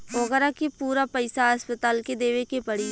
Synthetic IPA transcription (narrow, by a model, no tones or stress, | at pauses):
oɣəɾakepuːɾapɐɪsaɐspət̪aːlked̪eːʋekepɐɽ̤i